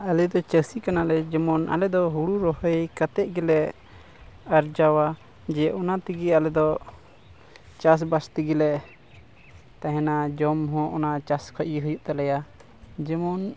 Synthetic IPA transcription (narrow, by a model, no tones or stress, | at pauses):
alɛd̪ɔt͡ʃəsikanalɛd͡ʒɛmɔnʔa̰lɛd̪ɔɦuɽuɾɔɦjkat̪ɛʔɡɛlɛ | aɾd͡ʒawa | d͡ʒɛʔɔnat̪iɡialɛd̪ɔ | t͡ʃas̬bast̪iɡɛlɛʔ | t̪ãɦɛ̃nad͡ʒɔmɦɔ̃ʔɔnat͡ʃaskʰɔiɦujuʔt̪alɛja | d͡ʒɛmɔn